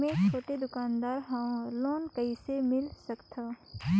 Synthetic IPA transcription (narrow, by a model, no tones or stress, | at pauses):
mẽt͡ʃʰoːʈed̪ʊkaːnd̪aːɾɦãloːnkəisemɪlsɐkt̪ʰaː